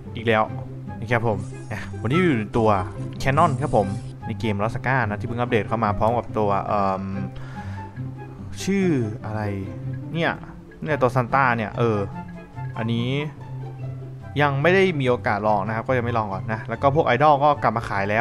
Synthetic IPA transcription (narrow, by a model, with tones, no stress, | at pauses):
ʔiː˨˩k̚lɛː˦˥w | i˨˩kʰa˦˥pʰːo˨˩˦m | na˦˥o˨˩˦niː˥˩˨uː˨˩na˧˦jt̪u˧ɐkʰɛː˦˧˥nɔ˥˩nkʰa˦˥pʰːo˩˦m | na˧jkeː˧mɾa˦˥t̪̚sa˧kaː˥˩nːa˦˥t̪ʰiː˥˩ɯ˥˩ŋʔa˦˥p̚deː˨˩t̚kʰa˥˩wmaː˧pʰɔː˦˥mka˨˩p̚t̪u˧ɐʔɤː˨˩m | t͡ɕʰɯː˥˩ʔa˧ɾa˧jni˥˩ɐ | ni˥˩t̪u˧ɐəsa˧nt̪aː˥˩ni˥˩ɐʔɤː˧ | ʔa˧nːiː˦˥ | ja˧ŋma˥˩jda˥˩jmiː˧ʔoː˧kaː˨˩t̪̚lɔː˧ŋna˦˥kʰa˦˥p̚kɔː˥˩ja˧ŋma˥˩jlɔː˧ŋkɔ̰ː˨˩nːa˦˥lɛ˦˥wkɔː˥˩pʰu˥˩əkʔa˧jdɔ˥˩kɔː˥˩kla˨˩p̚maː˧kʰaː˨˩˦jlɛː˦˥w